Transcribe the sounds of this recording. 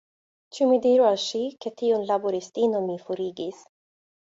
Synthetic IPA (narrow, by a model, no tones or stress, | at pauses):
t͡ʃumid̪iːɾualʃiket̪iunlabuɾist̪iːnomifuɾiːɡis